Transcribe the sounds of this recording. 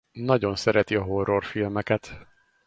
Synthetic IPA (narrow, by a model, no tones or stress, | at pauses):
nɒɟo̞nsɛɾɛt̪iɒɦo̞ro̞rfilmɛkɛt̪